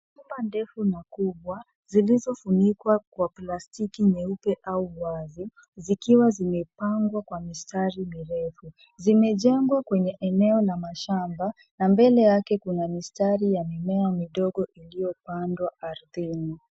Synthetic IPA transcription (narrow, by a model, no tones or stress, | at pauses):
umbandɛfunakuɓwa | zilizɔfunikwakwaplastikiɲɛupɛʔauwazi | zikiwazimɛpaŋɡwakwamistaɾimiɾɛfu | zimɛʄɛŋɡwakwɛɲɛʔɛnɛɔlamaʃamba | nambɛlɛjakɛkunamistaɾijamimɛamiɗɔɠɔʔilijɔpandwaaɾðini